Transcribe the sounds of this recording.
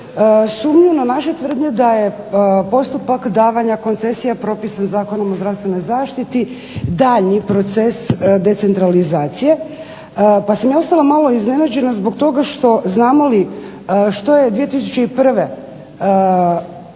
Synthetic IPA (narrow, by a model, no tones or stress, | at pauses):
suːmɲunanaʃet̪ʋr̩d̪ɲed̪aje̞ | po̞st̪upakd̪aːʋaɲako̞nt̪se̞sijapɾo̞pisanzaːko̞nomozɾast̪ʋe̞no̞jzaːʃt̪it̪i | d̪aʎɲipɾo̞t̪sesd̪e̞t̪se̞nt̪ɾalizaːt̪sije̞ | pasamjaːost̪alˠamalˠo̞izne̞nad͡ʑe̞nazbo̞k̚t̪o̞ɡaʃt̪o̞znaːmo̞li | ʃt̪o̞je̞d̪ʋije̞t̪is̬ut͡ɕe̞ipr̩ʋe